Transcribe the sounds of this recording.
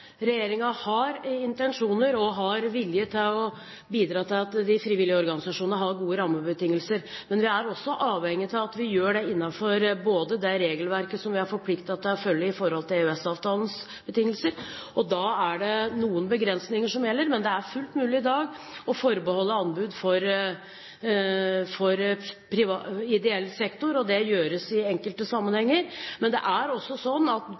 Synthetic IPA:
ɾɛjeːɾɪŋɑhɑɾɪnt̪ɛnʂuːnəɾɔɦɑɾʋɪljət̪ʰɪlɔ | biːd̪ɾɑːt̪ʰɪlɑt̪d̪ɪfɾiːʋɪlɪəɔɾɡɑnɪsɑʂuːnnəɦɑɾɡuːəɾɑmːəbət̪ɪŋːəlsəɾmɛnʋɪæɾɔsːɔʔɑːʋɛŋːɪt̪ʰɪlɑt̪ʋɪjøːɖɛɪnːɑfɔɾboːd̪əd̪ɛɾeːɡəlʋæɾkəsɔmʋɪæɾfɔɾpʰlɪkt̪ɑt̪̚d̪ɛæɾfœlːɪɪfɔɾhɔlt̪ʰɪlʉɛsɑːʋt̪ʰɑːləns | b̥ət̪ʰɪŋːəlsəɾ | ʔɔd̪ɑːæɖɛnuːənbəɡɾɛnsnɪŋəʂɔmjɛlːəɾmɛnd̪ɛæɾfʉlt̪mʉːlɪɪd̪ɑːɡ | ɔfɔɾbəhɔlːəɑnbʉːd̪fɔɾ | fɔɾpʰɾɪʋɑɪd̪ɛɛlːsɛkt̪ʊɾɔd̪ɛjøːɾəsɪɛŋkəlt̪əsɑmːənhɛŋːəɾmɛnd̪ɛ̰ʔæɾɔsːɔsɔnːɑt̪

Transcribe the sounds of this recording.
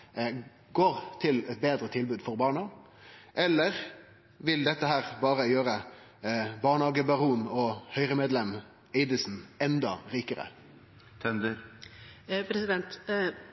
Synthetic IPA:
ɡoːʁt̪ʰɪlɛt̪̚beːd̪ɾət̪ʰɪlbʉːd̪fɔʁbɑːɳɑ | ʔɛlːəʁ | ʋɪld̪ɛt̪ːəɦæːʁbɑːʁəjøːɾə | bɑːʁɳɑːɡəbɑʁuːnɔhœʏʁəmeːd̪lɛm | ɛɪd̪ɪsn̩ɛnd̪ɑʁiːkəɾə̰ | t̪ʰɛnd̪əɾ | pʰɾɛsɪd̪ɛnt̪

